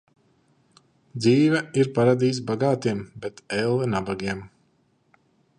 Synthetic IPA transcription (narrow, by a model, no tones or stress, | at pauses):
d̪ziːvʲɛiɾpaɾad̪iːs̬baɡaːt̪iɛmbɛt̪ɛlˠːɛnabaɡʲiɛm